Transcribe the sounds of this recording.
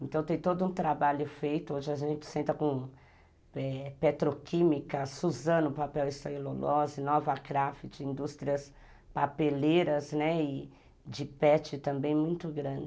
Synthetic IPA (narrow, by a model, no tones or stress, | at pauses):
ẽnt̪ɐ̃w̃t̪ẽj̃t̪od̪ʊũt̪ɾabaʎʊfejt̪ʊoʒɪaʒẽnt͡ʃɪ̥sẽnt̪ɐkõ | ɛpet̪ɾokĩmikɐsuzɐ̃nʊpapɛwist̪ololɔzɪnɔvɐkɾafɪt͡ʃɪĩnd̪ust̪ɾiɐs | papeleɾɐznɛɪ | d͡ʒɪpɛt͡ʃɪt̪ɐ̃mbẽj̃mũj̃t̪ʊɡɾɐ̃d͡ʒɪ